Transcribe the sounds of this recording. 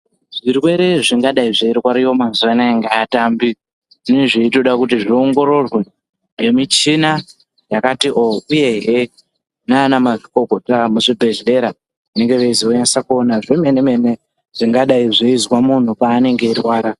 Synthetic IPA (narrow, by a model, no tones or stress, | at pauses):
ʐirwe̞ɾe̞ʐiŋɡaɗaiʐeirwaɾijo̞mazuʋanaaŋɡeːtambi | ʐineʐeito̞ɗakutiʐio̞ŋɡo̞ɾo̞rwe | emit͡ʃina | jakatiʔouje̞ɦe | naːnamaʐiko̞ko̞tamuʐibʱe̞ʒe̞ɾa | ʋane̞ŋɡe̞ʋeiziojansakuo̞naʐeme̞ne̞me̞ne̞ | ʐ̥iŋɡaɗaiʐeizwamun̤upaːne̞ŋɡe̞irwaːɾa